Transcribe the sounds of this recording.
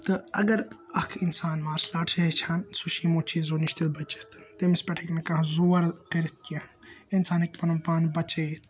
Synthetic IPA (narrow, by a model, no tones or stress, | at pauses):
t̪ɨɐ̰ɡɐɾɐkʰinsaːnmaːɾslaːʈʰet͡ʃʰaːnsuʃiːmoːt͡ʃʰiːzoːniʃt̪ilbɐt͡ʃit̪ʰt̪emispʲɐʈʰekmekɐɦzuːɐɾkɐɾit̪̚ʰka | insaːnik̚pɐnɐmpaːnbɐt͡ʃet̪ʰ